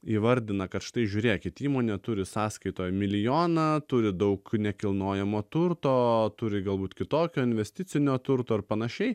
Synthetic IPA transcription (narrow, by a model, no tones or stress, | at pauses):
iːʋɐɾʲd̪ʲɪnɐkɐt̪ʃt̪ɐɪʒʲuːɾʲeːkʲɪt̪ʲiːmoːnʲeːt̪ʊɾʲɪsɑːskɐɪt̪oːjmʲɪlʲɪjoːnɑt̪ʊɾʲɪd̪ɐʊknʲɛkʲɪlˠnoːjɛmoːt̪ʊrt̪oːt̪ʊɾʲɪɡɐlˠbuːt̪kʲɪt̪oːkʲoːɪnʲʋʲɛsʲt̪ʲɪt͡ssʲɪnʲoːt̪ʊɾt̪oːɪɾpɐnɐʃʲɛɪ